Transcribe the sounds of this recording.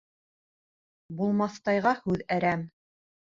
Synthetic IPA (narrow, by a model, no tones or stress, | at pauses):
bulˠmɑθt̪ɑjʁɑhʉðæɾæm